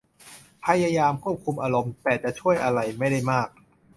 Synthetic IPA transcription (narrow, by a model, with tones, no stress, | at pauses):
pʰa˧jaː˧jaː˧mkʰu˥˩əp̚kʰu˧mʔaː˧ɾo˧mt̪ɛː˨˩t͡ɕa˨˩t͡ɕʰu˥˩əjʔa˧ɾa˧jma˥˩jda˥˩jmaː˥˩k̚